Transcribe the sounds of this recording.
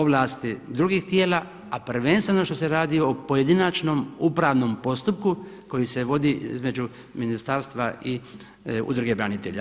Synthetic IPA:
oʋlaːst̪id̪ɾuɡiːxt̪je̞ːla | aprʋenst̪ʋeno̞ʃt̪ose̞ɾaːd̪iopo̞je̞d̪inat͡ʃno̞mupɾaːʋno̞mpo̞st̪up̚ku | ko̞jise̞ʋo̞d̪iḭzme̞d͡ʒu | minist̪aːɾst̪ʋai | ṵd̪ɾuɡebɾanit̪eʎa̰

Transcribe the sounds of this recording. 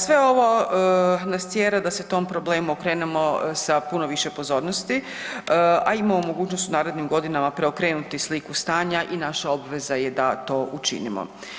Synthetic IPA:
sʋe̞o̞ʋo̞ | nast̪sjeːɾad̪aset̪o̞mpɾo̞ble̞ːmuokɾe̞ːnemosapunoʋiʃe̞po̞zo̞ːɾnost̪i | aimamomo̞ɡuːt͡ɕnost̪unaːɾed̪nimɡo̞d̪inamapɾe̞o̞kɾe̞ːnut̪islikust̪aːɲaʔinaʃaobʋe̞zaje̞d̪at̪o̞ːʔut͡ʃḭnḭmo̰

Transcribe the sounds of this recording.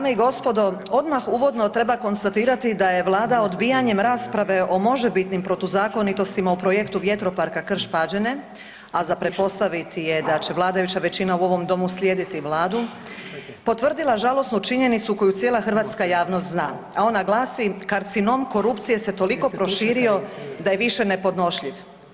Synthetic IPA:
ameiɡo̞spo̞d̪o̞o̞d̪maxuʋo̞d̪no̞t̪ɾe̞bako̞nst̪at̪iːɾat̪id̪aje̞ʋlˠaːd̪ao̞d̪biːjaɲe̞mɾaːspɾaʋe̞ʔo̞mo̞ʒebit̪nimpɾo̞t̪ozaːko̞nit̪o̞st̪imaupɾojekt̪uʋje̞t̪ɾo̞paɾkakr̩ʃpad͡ʑene̞ | azapɾet̪̚po̞st̪aʋit̪ije̞d̪at͡ɕe̞ʋlˠaːd̪ajut͡ɕaʋe̞t͡ɕinauo̞ʋo̞md̪o̞muslʲjeːd̪it̪iʋlaːd̪u | po̞t̪ʋr̩d̪ilˠaʒalo̞snut͡ʃiɲe̞nit̪suko̞jut̪sjeːlˠaxr̩ʋaːt̪skajaːʋnost̪znaː | ao̞naɡlˠaːsikaɾt̪sino̞mko̞ɾupt̪sije̞se̞t̪o̞liko̞pɾo̞ʃiːɾio̞d̪aje̞ʋiʃe̞ne̞po̞d̪no̞ʃʎiʋ

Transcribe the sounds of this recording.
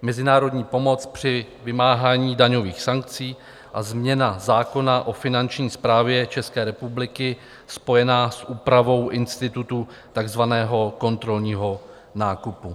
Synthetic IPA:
mɛzɪnaːɾo̞dɲiːpo̞mo̞t͡spr̝̥ɪ | vɪmaːɦaːɲiːdaɲo̞viːxsaŋk̚t͡siː | ʔazmɲɛnazaːko̞naʔo̞fɪnant͡ʃɲiːspɾaːvjɛt͡ʃɛskɛːɾɛpublɪkɪ | spo̞jɛnaːsʔuːpɾavo̞wʔɪnst̪ɪt̪ut̪u | t̪aɡzvanɛːɦo̞ko̞nt̪ɾo̞lɲiːɦo̞ | naːkupu

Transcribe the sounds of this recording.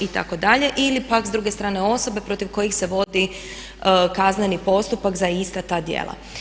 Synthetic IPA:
it̪a̰ko̞d̪aʎe̞ʔilipakzd̪ɾuːɡest̪ɾaːne̞o̞so̞be̞pɾo̞t̪iʋko̞jixse̞ʋo̞d̪i | kaznenipo̞st̪upakzaist̪at̪aːd̪jḛlˠa̰

